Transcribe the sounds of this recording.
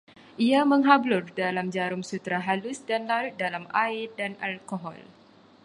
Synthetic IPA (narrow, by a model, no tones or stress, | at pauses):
ʔiamə̃ŋɦablʊrdalamd͡ʒaɾʊŋsut̪ɾaɦalʊsdanlal̚dalamaɪrdanalkoɦɔ̰l